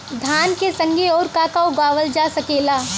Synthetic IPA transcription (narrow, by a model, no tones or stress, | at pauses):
d̪ʱaːnkesɐ̃ŋɡeɔːɾkaːkaoɡaːʋəld͡ʒaːsɐkeːlaː